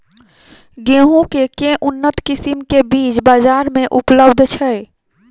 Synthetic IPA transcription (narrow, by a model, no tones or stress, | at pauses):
ɡeɦũkekẽʔunːət̪kisimkebit͡ʃbad͡ʒaɾmeʔupləbd̪ʱt͡ʃʰɛj